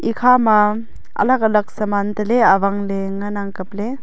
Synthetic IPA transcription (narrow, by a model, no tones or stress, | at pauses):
ʔikʰama | ɐ̰lakalɐk̚sɐmant̪ɐleaβaŋleŋanaŋkɐp̚le